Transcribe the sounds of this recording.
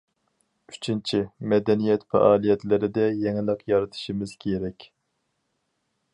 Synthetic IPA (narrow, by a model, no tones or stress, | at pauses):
y̥t͡ʃʰint͡ʃʰimɛd̪ɛnijɛt̪fɛ̰ʔɑːlˠijɛt̪lɪɾɪd̪ɛjɛŋlˠəqjɑɾɨt̪ʰɨ̥ʃimɪzkʲʰeɾɛkʲ